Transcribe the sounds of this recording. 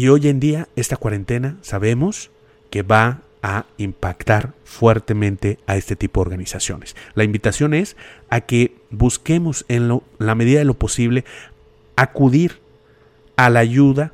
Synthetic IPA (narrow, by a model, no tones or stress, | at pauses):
io̞je̞nd̪iae̞st̪akwaɾe̞nt̪e̞nasaβe̞mo̞s | ke̞βa | aimpakt̪aɾfwe̞ɾt̪e̞mẽnt̪e̞ae̞st̪e̞t̪ipo̞ðeo̞ɾɣanisasjo̞̰ne̞̥slaimbit̪asjo̞ne̞sake̞ | buske̞mo̞senlo | lame̞ðiðaðelo̞po̞siβle̞ | akuðiɾ | alaʝuða